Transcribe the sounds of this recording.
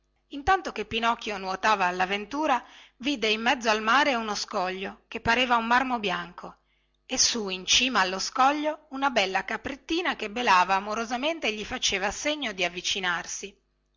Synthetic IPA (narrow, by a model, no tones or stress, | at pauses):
int̪ant̪okepːinɔkːjonwot̪aːvaːlːavent̪uːɾaviːd̪eimːɛd̪zːoalmaːɾeunoskɔʎːok̟epːaɾeːvaumːarmobjaŋkʰo | esːuint͡ʃiːmaːlːoskɔʎːounabɛlːakapːɾet̪ːiːnakebelaːvaːmoɾozament̪eʎːifat͡ʃeːvaseɲːod̪iavːit͡ʃinarsi